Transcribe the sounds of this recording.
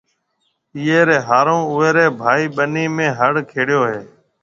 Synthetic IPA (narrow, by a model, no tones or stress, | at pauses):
iːeːɾeːɦaːɾõːʊʋeːɾeːbʱaːiːɓəniːmẽːɦəɽkʰeːɽjoːɦeː